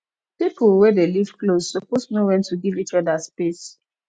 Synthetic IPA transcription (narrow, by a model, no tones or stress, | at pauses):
pipul̩wɛdelivklosːɔposnowɛ̃ntuɡivit͡ʃɔdaspes